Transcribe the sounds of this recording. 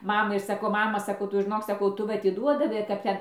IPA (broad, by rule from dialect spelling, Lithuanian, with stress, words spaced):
ˈmɑːmɐɪ ɪr sɐˈkɐʊ ˈmɑːmɐ sɐˈkɐʊ ˈtʊ ʒʲɪˈnoːk sɐˈkɐʊ ˈtʊ ʋɐ ɐtʲɪˈduɔdɐʋɐɪ kɐp ˈtʲɛn